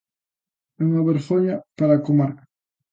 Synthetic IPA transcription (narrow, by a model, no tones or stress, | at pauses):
ɛuŋaβeɾɣoɲapaɾakomaɾka